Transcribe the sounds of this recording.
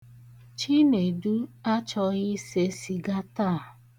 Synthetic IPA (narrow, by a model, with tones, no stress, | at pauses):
t͡ʃi˦ne˨du˦a˦t͡ʃɔ˧ɣɪ˦se˨si˨ɡa˦ta˦˨